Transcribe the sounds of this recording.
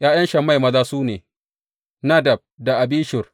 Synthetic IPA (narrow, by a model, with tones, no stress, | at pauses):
j̰ʔaː˦jɐ˦nʃɐ˨mːa˦˨jmɐ˦zaː˦suː˦neː˨ | na˦dɐ˨b̚da˨ʔa˨biː˦ʃɪ˨r